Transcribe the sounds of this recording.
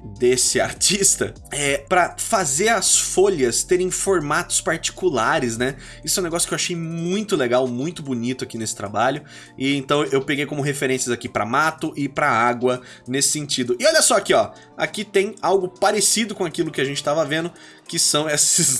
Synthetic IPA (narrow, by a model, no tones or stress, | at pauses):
d̪esɪa̰ɾt͡ʃist̪ɐ̰ | ɛpɾɐfazeɾɐsfoʎɐst̪eɾẽj̃foɾmat̪ʊ̥spaɾt͡ʃi̥kulaɾɪsnɛ | isʊɛ̃w̪̃eɡɔsjʊ̥kewaʃejmũj̃t̪ʊleɡawmũj̃t̪ʊbunit̪ʊakinesɪ̥t̪ɾa̰baʎʊ | ɪẽnt̪ɐ̃w̃ewpeɡejkõmʊɦefeɾẽsjɐzakipɾɐ̰mat̪ʊʔɪpɾɐaɡwɐ | nesɪ̥sẽnt͡ʃid̪ʊɪɔʎɐsɔakiɔ | a̰kit̪ẽj̃awɡʊpaɾesid̪ʊkõakilʊkɪaʒẽnt͡ʃɪ̥t̪avɐvẽnd̪ʊ | kɪsɐ̃w̃ɛsɪs